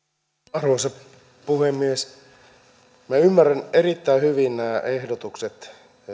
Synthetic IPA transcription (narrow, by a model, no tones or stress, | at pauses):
ɑrʋosɑ | puhemːies | miæymːæræneɾit̪ːæihyʋinnæːʔehdot̪ukset̪